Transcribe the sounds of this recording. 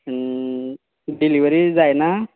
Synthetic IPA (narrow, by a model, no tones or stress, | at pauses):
ɖiliʋəɾid͡zajna